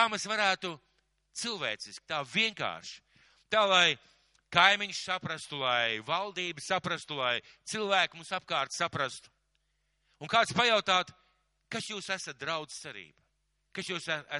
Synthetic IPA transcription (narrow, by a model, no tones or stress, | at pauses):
amesvaɾæːt̪u | t̪silˠvḛːt̪sisk̚ʲt̪aːvʲiɛŋka̰ːɾʃ | t̪aːlˠaj | kajmiɲssapɾast̪ulˠajvalˠd̪iːbsapɾast̪ulˠaj | t̪silˠvæːkʲmusap̚kaːɾt̪sapɾast̪u̥ | unkaːt̪spajawt̪aːt̪ | kasjuːsæsɐt̪̚d̪ɾawd̪z̥t̪sɛɾḭːb̥a | kasjuːsææ